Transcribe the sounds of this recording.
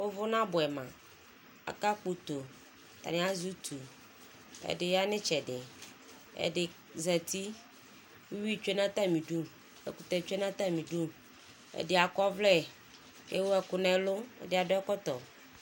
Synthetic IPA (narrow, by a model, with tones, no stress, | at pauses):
wo˦vʊ˦nã˦bʊ˨ɛ˨mã̰˨ | a̰˨ka˦k͡pu˨t̪o˨ | t̪a̰˨ñ˦a˦zu˦t̪ʰu˨ | ɛ̰˨ɖɪ˨ja˦nɪ̃˦t͡ʃɛ˨ɖɪ˨ | ɛ̰˨dɪ˨ | zɛ˨t̪i˦ | wu˦wi˦t͡ʃe˦nã˦t̪a˦mĩ˨ɖu˦ | ɛ̰˨ku˨t̪ɛ˨t͡ʃe˦nã˦t̪a˦mĩ˨ɖu˦ | ɛ̰˨dɪ˨a˨kɔ˦vlɛ˦ | jḛ˦wo˦ɛ˨kʊ˨nɛ̃˨lo˦ɛ̰˨dɪ˦˨a˨dʊ˦ɛ˦kɔ˦t̪ɔ˨